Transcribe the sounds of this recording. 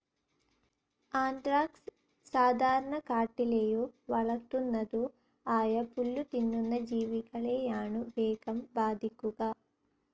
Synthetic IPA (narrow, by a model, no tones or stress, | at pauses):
aːɳʈɾaːks | saːd̪ʱaːɾɐɳɐkaːʈileːjuʋɐɭɐkt̪unːɐd̪u | aːjɐpuɭːut̪inːunːɐd͡ʒiːʋikɐɭɛːjaːɳuʋɛːɡɐmbaːd̪ʱikuɡaː